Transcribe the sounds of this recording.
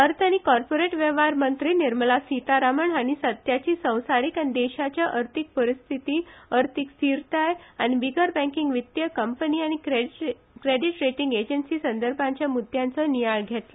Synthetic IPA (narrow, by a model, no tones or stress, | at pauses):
əɾt̪ʰaɽ̃ikɔɾpoɾeʈʋeʋaɾmənt̪ɾiːniɾməlasit̪aɾaməɳaɽ̃isət̪jat͡ɕiːsə̃w̃saɾikanid̪eɕat͡ɕjaʔəɾt̪ʰik̚pəɾist̪ʰit̪iːəɾt̪ʰiksiɾt̪ajaɽ̃ibiɡəɾbæ̃ŋkiŋɡʋit̪jəkəmpəniːaɽ̃i | kɾeɖiʈɾeʈiŋɡed͡ʑənsiːsənd̪əɾbʱãɲt͡ɕjamud̪ʱjãnt͡sənijaɭɡʱet̪lə